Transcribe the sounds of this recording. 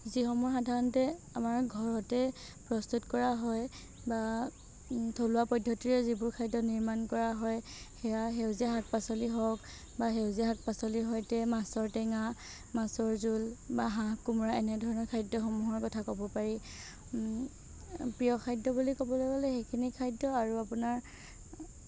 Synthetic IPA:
zixɔmuɹxadʱaɹɔntɛamaɹɡʱɔɹɔtɛ | pɹɔstutkɔɹaɦɔj | ba | tʰolʊwapɔdʱːɔtiɹɛzibʊɹkʰajdɔniɹmankɔɹaɦɔjhɛjaɦewzɛɦak̚pasɔliɦɔk | baɦewzɛɦak̚pasɔliɦɔjtɛmasɔɹtɛŋa | masɔɹzulbaɦãkumuɹaɛnɛdʱɔɹɔnɔɹkʰajdːɔxɔmuɦɔɹkɔtʰakobɔpaɹi | pɹijɔkʰajdɔbulikɔbɔlɔɡalɛxekʰinikʰajdɔaɹuapunaɹ

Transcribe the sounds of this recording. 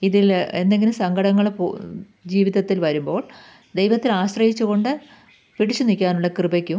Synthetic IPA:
iðile̞nd̪e̞ŋɡilumsɐŋɡʱɐɽɐŋːɐɭp | d͡ʑiːʋiðɐt̪ːilʋɐɾumbo̞ːɭ | d̪e̞jʋɐt̪ːilaːɕrɐjit͡ɕːuɣo̞ɳɖɨ | piɽit͡ɕːunikʲːaːnuɭːɐkrɨibɐkʲːu

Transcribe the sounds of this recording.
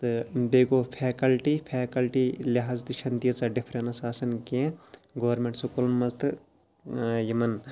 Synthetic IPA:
t̪ɨbeːɡoːpʰeːkɐlʈipʰeːkɐlʈilɐɦaːzd̪iʃʰɐnd̪ijɐt͡sɐɖipʰɾenɐsaːsɐnkẽɡoʋɐɾmẽɳʈsokolmɐlt̪ʰɨ | jɐmɐn

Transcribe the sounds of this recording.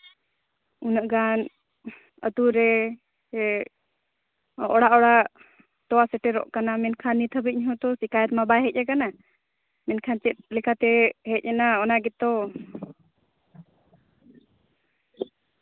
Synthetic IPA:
unəʔɡan | ə̰t̪uɾɛ | ɛ | ɔɽaʔɔɽaʔ | t̪ɔwasɛʈɛɾɔ̰ʔkanamɛnkʰanːit̪ʰəbiɲɦɔ̃t̪ɔsikajɛɾmabaɦɛt̚ˀʔakana | mɛnkʰant͡ʃɛt̪̚lɛkʰat̪ɛhɛc̚ˀɛnaɔnaɡɛt̪ɔ

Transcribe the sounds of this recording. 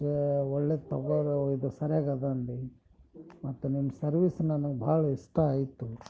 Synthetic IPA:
eɔɭːed̪̚t̪ɔɡɐɾid̪usɐɾjaːɡɐd̪anɖi | mɐt̪ːunimːɐsɐɾʋisnɐnɐɡbʱaːɭɐiʂʈɐaːjit̪ːu

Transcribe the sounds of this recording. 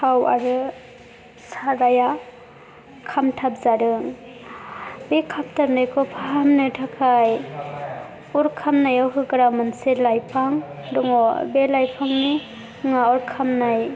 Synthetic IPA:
hawa̰ɾɯ | saɾaja | kʰamtʰap̚zaɾɯŋ | bekʰap̚tʰap̚najkʰɔpʰaamnɯtʰakʰaj | uɾkʰamnajawɦɯɡɾamɯnselajpʰaŋ | dɔŋɔbelajpʰaŋni | ŋaɔɾkʰamnaj

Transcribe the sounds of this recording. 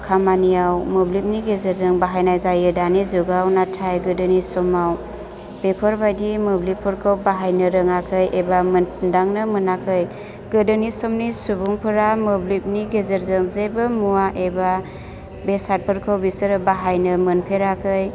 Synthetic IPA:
kʰamanijawmɯblip̚niɡezeɾzɯŋbaɦajnajzajɯdanizuɡawnatʰajɡɯdɯnisɔmaw | b̥epʰɯɾbajdimɯblipʰɯɾkʰawbaɦajnəɾɯŋakʰɯjʔebamɯnndaŋnɯmɯnakʰɯj | ɡɯdɯnisɔmnisubuŋpʰɯɾamɯblip̚niɡezeɾzɯŋzejbɯmuaʔeba | besat̚pʰɯɾkʰawbisɯɾbaɦajnɯmɯnpʰeɾakʰɯj

